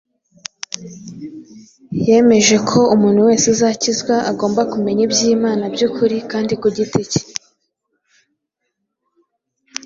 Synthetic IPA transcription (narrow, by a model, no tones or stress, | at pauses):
je̞me̞ʒe̞kʰo̞umuːnhuwe̞ːsezaːcizɡwaʔaɡo̞ːmbakume̞ɲibjiːmaːnabjukʰuɾikaːndikuɟitici̥